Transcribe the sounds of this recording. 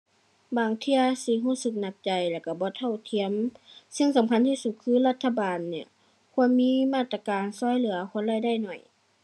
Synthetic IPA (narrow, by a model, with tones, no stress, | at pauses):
baː˨˩ŋt̪ʰi˧əsi˧˦ɦuː˧˥˩sɯ˧˩k̚na˧˩k̚t͡ɕa˨jlɛː˧˩wka˧˩bɔː˧˦t̪ʰa˧˩wt̪ʰi˧˨əmsɯ˧˨ŋsa˨˦mkʰa˧˥˨nt̪ʰiː˧˨su˧t̪̚kʰɯː˧˨la˧˩t̪ʰːa˧baː˨nːi˧˩ɐ | kʰu˧˥ənmiː˧˥˨maː˧˩t̪ɾa˧kaː˨nsɔː˧˥˨jlɯ˨˦ɐkʰɔ˧˥˨nla˧˩˨jda˧˥˩jnɔ˨˩j